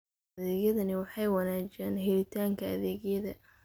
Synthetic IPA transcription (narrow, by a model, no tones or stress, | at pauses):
ðɛːɣjɐðɐnɪwɑħɑjwɑnaːt͡ʃɛːnɦɛlɪt̪ʰaːŋkʰɐɐðɛːɡjɐðɐ